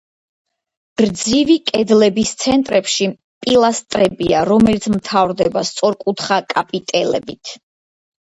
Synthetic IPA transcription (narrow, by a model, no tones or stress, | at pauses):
ɾd̪zivikʼɛd̪lɛbist̪sʰɛnt̪ʼɾɛpʃi | pʼilˠast̪ʼɾɛbiaɾɔmɛlit̪sʰmt̪ʰavɾd̪ɛbast̪sʼɔɾkʼut̪ʰχakʼapʼit̪ʼɛlɛ̰bit̪ʰ